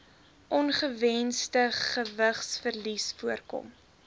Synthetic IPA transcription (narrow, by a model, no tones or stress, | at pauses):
ʔɔnχəvɛnstəχəvəχsfərlisfuərkɔ̰m